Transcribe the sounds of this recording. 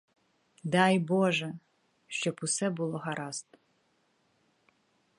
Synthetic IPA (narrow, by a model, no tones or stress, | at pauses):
dajboʒɛ | ʃt͡ʃɔpusɛbulˠɔɦaɾast̪ʼ